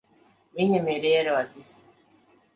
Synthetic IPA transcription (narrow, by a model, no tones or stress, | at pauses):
eɲemeɾeeɾewat͡sisi̥